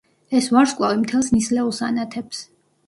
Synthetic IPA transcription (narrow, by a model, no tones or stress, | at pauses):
ɛsvaɾskʼlˠavimt̪ʰɛlˠsnislɛulˠsanat̪ʰɛps